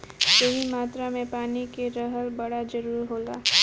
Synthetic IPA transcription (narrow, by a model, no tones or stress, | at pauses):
jɐɦimaːt̪ɾamẽpaːnikeɾəɦəlbɐɽad͡ʒɐɾuːɾɦoːla̰ː